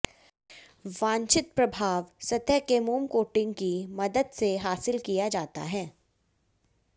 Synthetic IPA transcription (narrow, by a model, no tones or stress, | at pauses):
ʋãːɲt͡ʃɪt̪̚pɾɐbʱaːʋsɐt̪əkemuːmkoːʈɪ̃ŋɡkimɐd̪əd̪seɦaːsɪlkijad͡ʒaːt̪a̰ɦɛː